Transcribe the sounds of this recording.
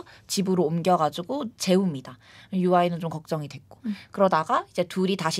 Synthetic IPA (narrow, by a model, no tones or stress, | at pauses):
t͡ɕibɯɾoːmɡjʌɡad͡ʑuɡot͡ɕe̞umɲida | juainɯnt͡ɕomkʌk̚t͡ɕ͈ʌŋidwe̞k͈o̥kɯɾʌdaɡaid͡ʑe̞tuɾitaɕʰi